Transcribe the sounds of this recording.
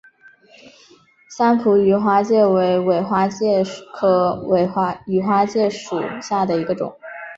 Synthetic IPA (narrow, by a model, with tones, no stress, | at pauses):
ɕa˥npʰu˧˥y˧˥xwa˥t͡ɕjɛ˥˩we˧˥ɪwe˨˩ɪxwa˥t͡ɕjɛ˥˩kʰɤ˧˥˧ | y˨˩xwa˥t͡ɕjɛ˥˩ʂṵ˨˩ɕja˥˩d̪ə˩i˧˥ɡə˧ʈ͡ʂʊ̰˨˩˦ŋ